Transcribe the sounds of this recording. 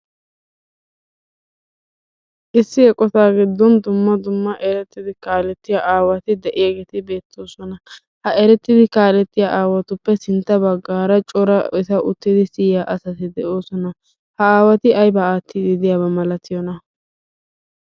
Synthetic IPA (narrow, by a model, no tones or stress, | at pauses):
ʔɪsːɪɛkʼːɔt̪aːɡɪd̪ːɔnd̪ʊmːɐd̪ʊmːɐʔɛɾɛt̪ːɪd̪ɪkaːlɛt̪ːɪjaʔaːwɐt̪ɪd̪ɛʔɪjaɡet̪ɪbe̞ːt̪ːo̞ːsɔnɐ | hɐɛɾɛt̪ːɪd̪ɪkaːlɛt̪ːɪjaʔaːwɐt̪ʊpːɛsɪnt̪ːɐbɐɡːaːɾɐt͡ʃʼɔɾɐɪsɐʔʊt̪ːɪd̪ɪsɪjjaːʔɐsɐt̪ɪd̪ɛʔo̞ːsɔnɐ | hɐaːwɐt̪ɪʔɐjbɐaːt̪ːɪd̪ɪd̪ɪjabɐmɐlɐt̪ːɪjɔnɐ